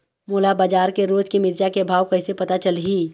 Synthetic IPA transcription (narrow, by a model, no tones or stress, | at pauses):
moːlabaːd͡ʒaːɾkeɾoːd͡ʒkimɪɾt͡ʃakebʱaːʋkɐɪsepɐt̪at͡ʃəlɦiː